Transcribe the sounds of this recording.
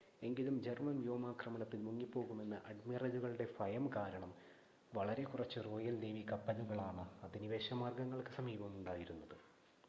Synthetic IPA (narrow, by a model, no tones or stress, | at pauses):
e̞ŋɡilumd͡ʑermɐnjoːmaːkrɐmɐnɐt̪ːilmuŋːipːo̞ːɣume̞nːɨʔɐɖmirɐd͡ʑuɣɐɭuɽe̞fɐjɐmkaːɾɐɳɐm | ʋɐɭɐɾe̞kurɐt͡ɕːɨro̞ːjɐlneːmikɐpːɐluɣɐɭaːɳɨɐðiniʋeːɕɐmaːrɡɐŋːɐɭkɨsɐmiːbɐmuɳɖaːjiɾunːɐðɨ